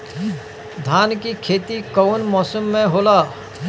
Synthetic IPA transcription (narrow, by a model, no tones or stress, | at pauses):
d̪ʱaːnkikʰeːt̪ikɔwnmɔːsəmːẽɦoːlaː